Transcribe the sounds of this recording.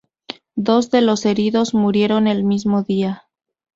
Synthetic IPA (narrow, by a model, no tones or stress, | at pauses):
d̪o̞zðe̞lo̞se̞ɾiðo̞zmuɾje̞ɾo̞ne̞lmizmoðia